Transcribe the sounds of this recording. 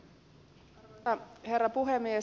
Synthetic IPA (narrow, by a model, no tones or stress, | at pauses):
ɑherːɑpuɦemːie